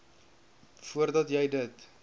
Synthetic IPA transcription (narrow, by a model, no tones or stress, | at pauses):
fuərdɐtjɛjdət